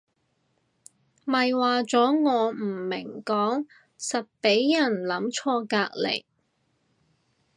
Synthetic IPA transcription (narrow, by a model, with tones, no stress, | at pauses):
mɐ˨jwaː˨t͡sɔː˨˥ŋɔː˨˧m̩˨˩mɪ˨˩ŋkɔː˨˥ŋ | sɐ˨t̚pe˨˥jːɐ˨˩nlɐ˨˧˥mt͡ʃʰɔː˧kaː˧k̚lḛ˨˩j